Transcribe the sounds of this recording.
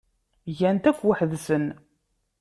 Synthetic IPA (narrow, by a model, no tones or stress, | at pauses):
ʝænt̪æfwəħðsən